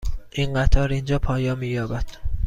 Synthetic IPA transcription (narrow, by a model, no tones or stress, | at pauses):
ʔiːnɢæt̪ʰɒːɾind͡ʒɒːpʰɒːjɒːmiːjɒːbæd̪̥